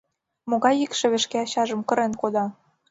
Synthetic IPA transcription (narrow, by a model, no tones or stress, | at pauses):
moɣɑjikʃĕβeʃkeɑɕɑʒə̆mkɤ̆ɾenkod̪ɑ